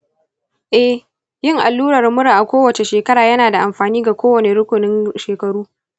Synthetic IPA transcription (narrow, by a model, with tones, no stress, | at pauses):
ʔɛ˦h | jɪ˦ŋʔa˨lːuː˦ɽɐ˨rmʊ˦ɽa˨ʔa˨kʷoː˦wɐ˨t͡ʃe˨ʃeː˨kɐ˦ɾaː˨jɐ˦naː˨da˨ʔa˨mɸaː˨niː˦ɡa˨kʷoː˦wɐ˨ne˨ɽʊ˦kʷʊ˨nɪ˦nʃeː˨kɐ˨ɽuː˦